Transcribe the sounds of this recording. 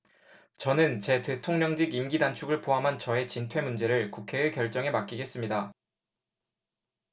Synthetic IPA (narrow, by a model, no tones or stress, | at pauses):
t͡ɕʌnɯnt͡ɕe̞te̞tʰoŋɲʌŋd͡ʑiɡimɡidant͡ɕʰuɡɯɭpoɦamɦant͡ɕʌe̞t͡ɕintʰwe̞mund͡ʑe̞ɾɯɭkukʰe̞ːkjʌɭt͡ɕ͈ʌŋe̞mak͈iɡe̞s͈ɯmɲida